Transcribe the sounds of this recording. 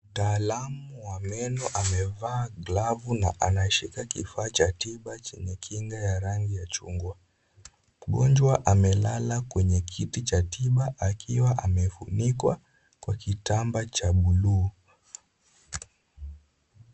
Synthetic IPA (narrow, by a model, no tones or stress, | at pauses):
m̩taːlamuwamɛnɔʔamɛvaːɡlavuna̰ʔanaʃikakḭfaːt͡ʃatiɓat͡ʃɛɲɛkʰiŋɡajaɾaŋɡijat͡ʃṵŋɡwa | m̩ɠɔnd͡ʒwaʔamɛlalakwɛɲɛkʰitit͡ʃatiɓaʔakʰiwaʔamɛfṵnikwa | kwakitambat͡ʃaɓuluː